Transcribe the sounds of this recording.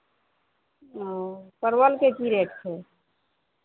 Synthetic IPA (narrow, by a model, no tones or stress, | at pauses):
opəɾwəlkekiɾeʈt͡ʃʰe